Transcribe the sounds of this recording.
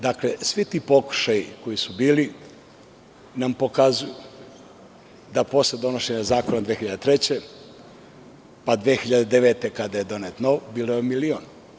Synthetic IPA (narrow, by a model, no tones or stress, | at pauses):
d̪aklesʋit̪iːpo̞ku̥ʃajiko̞jisubiːli | nampo̞kazuju | d̪apo̞sled̪o̞no̞ʃe̞ɲazaːko̞nad̪ʋeːxiʎad̪et̪ɾe̞t͡ɕe | pad̪ʋeːxiʎad̪ed̪eʋet̪e̞kad̪aje̞d̪o̞net̪noʋbiːlˠojemilioːn